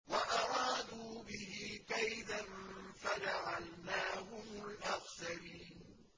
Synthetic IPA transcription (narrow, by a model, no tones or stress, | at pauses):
waʔɑɾˤɑːd̪uːbɪhɪkajd̪anfad͡ʒaʕalnaːɦʊmʊlʔaxsaɾiːn